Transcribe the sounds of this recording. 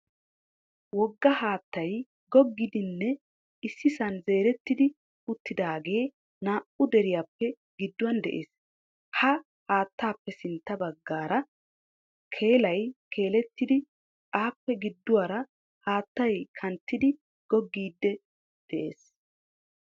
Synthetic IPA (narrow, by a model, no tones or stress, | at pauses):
wɔɡːɐhaːt̪ːɐj | ɡɔɡːɪd̪ɪnːɛ | ɪsːɪsɐnze̞ːɾɛt̪ːɪd̪ɪ | ʊt̪ːɪd̪aːɡe̞ː | naːʔʊd̪ɛɾɪjaːpːɛ | ɡɪd̪ːʊwɐnd̪ɛʔḛːs | hɐ | haːt̪ːaːpːɛsɪnt̪ːɐbɐɡːaːɾɐ | kʰe̞ːlɐjkʰe̞ːlɛt̪ːɪd̪ɪ | aːpːɛɡɪd̪ːʊwaːɾɐ | haːt̪ːɐjkʰɐnt̪ːɪd̪ɪ | ɡ̥ɔɡːiːd̪ːɛ | d̪̥ɛʔe̞̰ːs